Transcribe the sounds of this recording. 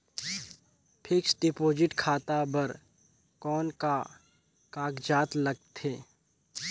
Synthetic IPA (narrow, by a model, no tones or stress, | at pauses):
pʰɪksɖɪpoːd͡ʒɪʈkʰaːt̪abəɾ | kɔːnka | kaːkd͡ʒaːt̪lɐɡ̚t̪eː